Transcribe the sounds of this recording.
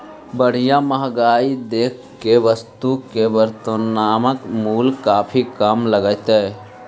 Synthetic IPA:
bəɽ̤ijaməɦɡaid̪ekʰkːeʋəst̪ukeʋəɾt̪ənaːməkmulkapʰikamləɡəjt̪ɛ

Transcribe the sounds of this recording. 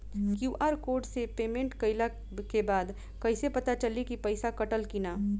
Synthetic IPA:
kjuːʔaːɾkoːɾɖsepeːmẽɳʈkɐɪla | kebaːd̪ | kɐɪsepɐt̪at͡ʃəlikipɐɪsakɐʈəlkinaː

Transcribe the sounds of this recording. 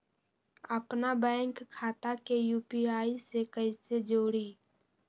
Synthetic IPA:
əpnabɛ̃ːŋkʰːaːt̪akejuːpiaːisekəised͡ʒoːɽiː

